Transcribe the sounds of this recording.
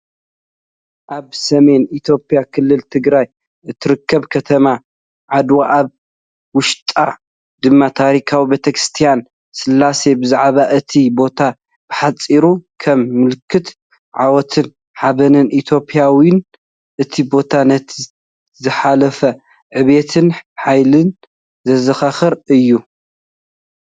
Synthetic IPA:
ʔaβsɐme̞nit̪ʰjo̞pʼjakʰɨlːɨlt̪ʰɨɡɾaj | ʔɨt̪ʰːɨɾɨkʰːɐβkʰɐt̪ʰɐma | ʕad̪waʔaβ | wʊʃt̪ʼa | d̪ɨmːat̪ʰaɾikʰawibet̪ʰɐkɾɨst̪ʰijan | sɨlːase̞bɨzaʕβaʔɨt̪ʰibo̞t̪ʰa | b̥ɨħat͡sʼːiɾukʰɐmːɨlkʰːɨt̪ | ʕawɔt̪ʰɨn | ħaβɐnɨnʔit̪ʰjo̞pʼijawɪn | ʔɨt̪ʰibo̞t̪ʰanɐt̪ʰ | zɨħalɐfɐ | ʕɨβe̞t̪ʰɨnħajlɨn | zɐzɐxaxɨɾɨjːu

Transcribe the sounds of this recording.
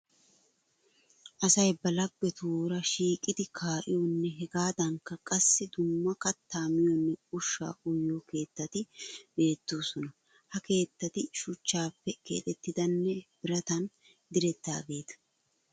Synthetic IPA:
ʔɐsɐjbɐlɐɡːɛt̪uːɾɐʃiːkʼɪd̪ɪkʰaːʔɪjɔnːɛɦɛɡaːd̪ɐŋkːɐkʼɐsːɪd̪ʊmːɐkɐt̪ːaːmɪjɔnːɛʊʃːa̰ːʔʊjːoke̞ːt̪ːɐt̪ɪbe̞ːt̪ːoːsɔnɐ | hɐke̞ːt̪ːɐt̪ɪʃʊt͡ʃːaːpːɛkḛːt̪ʼɛt̪ːɪd̪ɐnːɛb̥ɪɾɐt̪ɐn | d̪ɪɾɛt̪ːa̰ːɡe̞ːt̪ɐ̥

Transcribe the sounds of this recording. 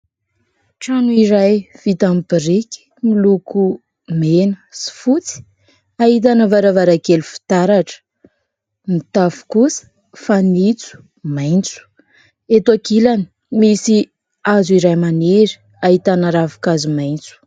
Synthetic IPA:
ʈ͡ʂanuiɾajv̥it̪ambiɾiki̥miluku | menə̥si̥fut͡si̥ | aɦit̪̬anəvaɾavaɾaɡelufi̥t̪aɾaʈ͡ʂə̥ | mit̪afu̥kusə̥ | fanit͡su̥ | majnt͡su̥ | et̪akilani̥ | misi | azuiɾajmaneɾi̥ | aɦit̪anəɾavu̥kazumajnt͡su̥

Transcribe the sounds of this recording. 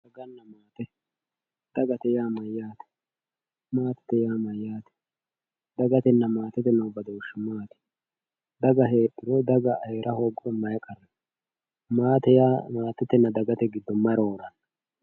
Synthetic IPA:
d̪ɐɡɐnːɐmaːt̪ɛ | d̪̥ɐɡɐt̪ɛjaːmɐjːaːt̪ɛ̥ | maːt̪ɛ̥t̪ɛjaːmɐjːaːt̪ɛ̥ | d̪ɐɡɐt̪ɛnːɐmaːt̪ɛt̪ɛnːɐʊbɐd̪ɔwʊʃːʊmaːt̪ɛ̥ | d̪ɐɡɐɦeːɗɪɾɔd̪ɐɡɐʔɐjɾʔɐhoːɡʊɾɛmɐjɛkʼɐrːɛn | maːt̪ɛjaːmaːt̪ɛt̪ɛnːɐd̪ɐɡɐt̪ɛɡɪd̪ːɔmːɐɾoːɾɐnɐ

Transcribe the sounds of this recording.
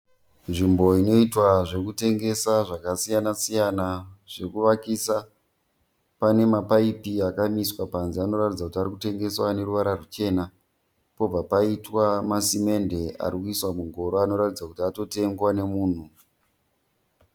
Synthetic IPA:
nʐimbo̞ino̞itwaʐe̞kute̞ŋɡe̞saʐakasijanasijanaʐ̥e̞kuʋakisa | pane̞mapaipiakamiswapanziano̞ɾatid͡zakutaɾikute̞ŋɡe̞swane̞ɾuʋaɾarut͡ʃe̞ːna | po̞b͡vapaitwamasime̞nde̞a̰ɾikuiswamuŋɡʱo̞ɾoano̞ɾatid͡zakutiato̞te̞ŋɡwane̞muːn̤u

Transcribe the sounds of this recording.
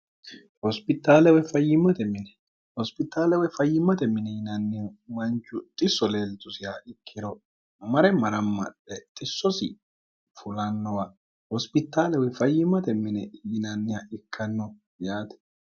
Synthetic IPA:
hɔspɪt̪ːaːlɛwɔjfɐjːɪmːɐt̪ɛmɪnɛ | hɔspɪt̪ːaːlɛwɔjfɐjːɪmːɐt̪ɛmɪnɛjɪnɐnːɪmɐnt͡ʃːʊt̪ʼɪsːɔle̞ːlt̪ʊsɪjaʔɪkʰːɪd̪ɔ | mɐɾɛmɐɾɐmːɐ̰ᶑɛt̪ʼɪsːɔsɪ̰ | fʊlɐnːɔwa | hɔspɪt̪ːaːlɛwɔjfɐjːɪmːɐt̪ɛmɪnɛjɪnɐnːɪjaɪkʰːɐnːɔ | jaːt̪ɛ̥

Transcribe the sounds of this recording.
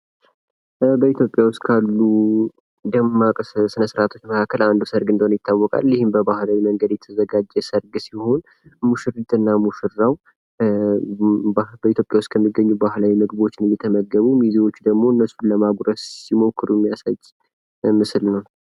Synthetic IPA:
bəit̪ʰjopʼjawʊst̪kʰalːu | d̪əmːakʼsɨnəsɾat̪ʰo̞t͡ʃːməkʰakːəland̪usəɾɡɨnd̪əhonjɪt̪ʰːawːɔkʼa̰ljɪhɪmbəbahlawiməŋɡəd̪jɛt̪ʰəzəɡad͡ʒɛsəɾɡsiho̞n | muʃɨɾɨt̪ʼɨnːamuʃɨɾaw | bəit̪ʰjopʼjawʊst̪kʰəmːiɡːəɲːubahlawimɨɡbo̞t͡ʃːɪnjɛt̪ʰəməɡːəβumiziwo̞t͡ʃːd̪əɡmo̞ɨnːəsuləmaɡɾəssimo̞kːɨɾuɛmːijasad͡ʒ | mɨslnəw

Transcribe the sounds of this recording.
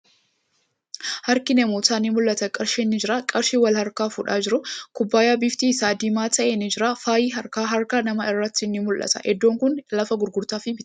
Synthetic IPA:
hɐɾkɪnɛmoːt̪aːnɪmʊlʔɐt̪ɐkʼɐɾʃiːnːɪd͡ʒɪɾaːkʼɐɾʃiwɐlhɐɾkaːfʊᶑaːd͡ʒɪɾʊkʊbːaːjaːbɪft̪iːɪsaːd̪imaːt̪ʰɐʔeːnɪd͡ʒɪɾaːfaːjiːɦɐɾkaːɦɐɾkaːnɐmɐɪrːɐt̪ːɪnːɪmʊlʔɐ̰t̪ɐ̰ʔɛd̪ːoːŋkʊnlɐfɐɡʊɾɡʊɾt̪aːfɪbɪt̪

